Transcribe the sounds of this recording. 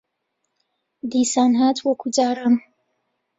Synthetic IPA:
d̪iːsaːnɦaːt̪ʰwɐkʰud͡ʒaːɾam

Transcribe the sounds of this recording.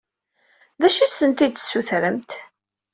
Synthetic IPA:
ðæʃisənt̪id̪suθɾəmt̪

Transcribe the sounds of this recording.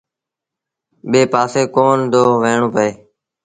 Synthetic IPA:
ɓeːpaːseːkoːnd̪oːʋeːɳ̃õːpəeː

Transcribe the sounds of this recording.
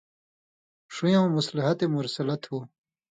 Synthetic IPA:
ʂujãmusliɦɐt̪emuɾsɐlɐt̪ʰhuː

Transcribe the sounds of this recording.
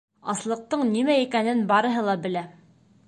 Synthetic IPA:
ɑslˠɤ̆q̚t̪ɤɴnimæikænɘnbɑɾɤ̆ɦɤlˠɑbɘ̆læ

